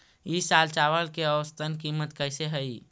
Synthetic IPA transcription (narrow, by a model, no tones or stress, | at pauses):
isalt͡ʃaʋəlkeəʋəst̪ʰənkimət̪kəɪseɦəi